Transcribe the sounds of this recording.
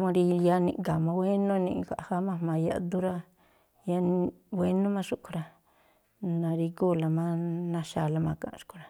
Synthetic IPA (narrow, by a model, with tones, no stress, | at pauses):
mõ˧ɾi˧ja˦nḭ̃˧ʔɡa˨mã˧we˦nõ˦nḭ̃˧ɡʷa̰˨ʔha˦mã˦mã˧ja̰˧ʔd̪u˦ɾa˦ | ja˦nwʷe˦nõ˦mã˦ʂu˦kʷɾa˧ | nã˧ɾi˧ɡu˦˨la˧mã˦nã˧ʃa˧la˧mã˧kã̰˧˨ʂu̥˦kʰu˨ɾa˨